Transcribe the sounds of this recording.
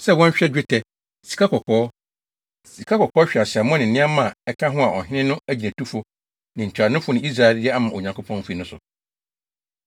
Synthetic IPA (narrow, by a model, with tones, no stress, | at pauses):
sɛ˦˨wɔ̃˦ɲ˦ɕᶣɛ˦d͡ʑᶣɪ˦tʰɛ˨ | si̥˨kʰa˦kɔ˨kʰɔː˦ | si˨kʰa˦kʰɔ˨kʰɔː˦ɕᶣa˨ɕɪ˨a˨mʊ̃˦nɪ̃˨nɪ̃˦a˦mã˦˨ɛ˦kʰã˦ɦʊ̃˦a˨ʔɔ̰˨ɦᶣɪ̃˦nɪ̃˦nʊ̃˦æ˦d͡ʑi˨næ̃˨tu˦fʊ˦ | nɪ̃˨ɲ̩˨t͡ɕʰᶣa˨nʊ̃˦fʊ˦nɪ̃˨˦i˦s̬ɾa˦˨ɛ˨ldɪ˦ɛ˦a˦mã˨o˨ɲã˨ŋkʰo˦pʰɔ̃˦n˦fi˨nʊ̃˦sʊ̰˨